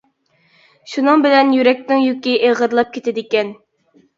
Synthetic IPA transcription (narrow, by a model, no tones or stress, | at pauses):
ʃunɨŋbɪlɛnjyɾɛk̚ʲnɪŋjykʲiʔeʁəɾlˠɑp̚kʲʰet̪ʰɪd̪ɪkʲɛn